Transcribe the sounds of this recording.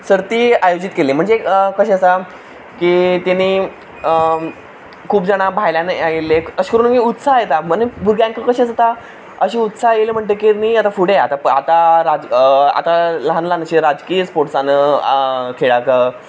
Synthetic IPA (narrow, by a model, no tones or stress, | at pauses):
səɾt̪iːajod͡ʑit̪keliːm̤əɳd͡zeəkəɕeəsa | kiːt̪eniː | kʰuːpd͡zaɽ̃abʱajljanajeleəɕi̥kəɾuːnəkiut̪sajet̪amənəbuɾãŋkəkəɕet͡sat̪a | əɕiːut̪sajelem̤əɳt̪ekiniat̪afuɽ̤eat̪apəat̪aɾad͡za̰t̪aləɦanlanəɕeɾad͡zkiːspoɾʈsanə | kʰeɭaka